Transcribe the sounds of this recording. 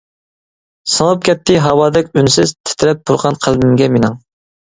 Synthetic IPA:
sɑlˠɨp̚kʲɛt̪ʰːɪɦɑwɑːd̪ɛkʲynsɪz̥t̪ʰɪ̥t̪ʰɪɾɛp̚buɾʁɑnqʰælmɪmɡʲɛmenɨŋ

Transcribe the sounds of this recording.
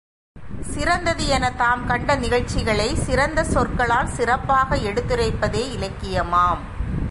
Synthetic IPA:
sɪɾɐnd̪ɐðɯɛnɐt̪aːmkɐɳɖɐnɪɣɐɻt͡ʃːɪɣɐɭɐɪsɪɾɐnd̪ɐsɔrkɐɭaːlsɪrɐpːaːɣɐɛɽɯt̪ːɯɾɐɪpːɐðeːɪlɐkːɪjɐmaːm

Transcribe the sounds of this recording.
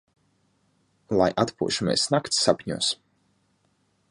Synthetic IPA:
lˠajʔat̪pṵɔʃumʲɛ̰ːsnakt̪sʲːapʲɲṵɔs

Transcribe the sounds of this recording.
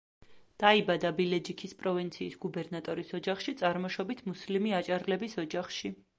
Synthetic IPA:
d̪̥aibad̪abilɛd͡ʒikʰispʼɾɔvint̪sʰiːsɡubɛɾnat̪ʼɔɾisɔd͡ʒaχʃit̪sʼaɾmɔʃɔbit̪ʰmuslimiat͡ʃʼaɾlɛbisɔd͡ʒaχʃi

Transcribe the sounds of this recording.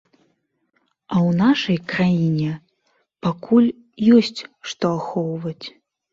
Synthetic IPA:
ɐwnaʂɐjkɾajinʲɛ | pakʰulʲ | jɔsʲt͡sʲʂt̪ɔaxɔwvɐt͡sʲ

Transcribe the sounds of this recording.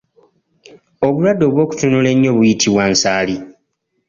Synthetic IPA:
o̞βulwadːo̞ːβwo̞ːku̥tunule̞ɲːo̞ːβujitʰiβwansaːli

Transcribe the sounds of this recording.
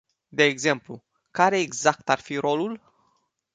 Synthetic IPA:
d̪e̞ːɡze̞mplu | kaɾe̞ːɡzak̚t̪arfiɾo̞lul

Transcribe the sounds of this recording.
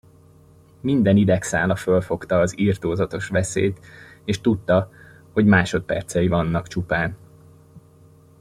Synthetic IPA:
mind̪ɛnid̪ɛksa̰ːlɒfølfo̞kt̪ɒːziːrt̪oːzɒt̪o̞ʃʋɛsḛːt̪eːʃt̪ut̪ːɒ | ho̞ɟmaːʃo̞t̪̚pɛ̰rt̪sɛjivɒnːɒkt͡ʃupaːn

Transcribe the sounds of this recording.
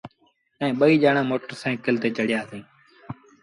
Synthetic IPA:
ɛ̃ːɓəiːd͡ʒaːɳãːmoːʈəɾsãːkəlt̪eːt͡ʃəɽɪjaːsĩː

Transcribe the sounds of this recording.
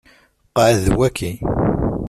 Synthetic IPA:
qɑʕðwækʰːi

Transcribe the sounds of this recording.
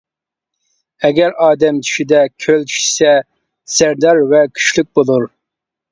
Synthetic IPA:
ɛɡʲɛɾɑːd̪ɛmt̪ʰy̥ʃid̪ɛkʲʰølt̪ʰy̥ʃsɛ | sæɾd̪ɑɾvɛkʲʰy̥ʃlyk̚ʲbolˠuɾ

